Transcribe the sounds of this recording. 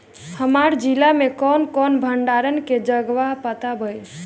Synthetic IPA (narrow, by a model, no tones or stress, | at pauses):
həmaɾd͡ʒilamekɔnkɔnbʱəɳɖaɾənked͡ʒəɡʋaɦpət̪abəj